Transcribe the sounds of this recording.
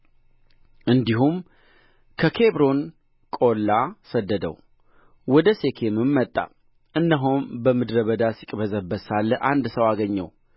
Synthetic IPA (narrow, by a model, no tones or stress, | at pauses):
ʔɨnd̪iɦum | kʰəkʰe̞bɾo̞n | kʼolːasəd̪ːəd̪ə̰w | wɔd̪əse̞kʰemɨmːət̪ʼːa̰ | ʔɨnːəɦombəmɨd̪ɾəβəd̪asikʼbəzəbːəsalːəʔand̪səwaɡəɲːə̰w